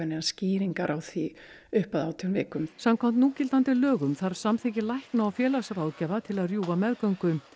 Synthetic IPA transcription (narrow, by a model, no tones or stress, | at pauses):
ɛnɛasciːɾiŋkaɾʔawθvi | ʏhpaðaːwt̪ʰʏnvɪːkʏmsamkʰvam̥t̪nuːcɪlt̪ant̪ɪlœːɣʏmθaɾsamθɪcɪlajhknaawfjɛːlasaɾawðcɛːvat̪ʰɪlaðrjuːvamɛðkœŋkʏm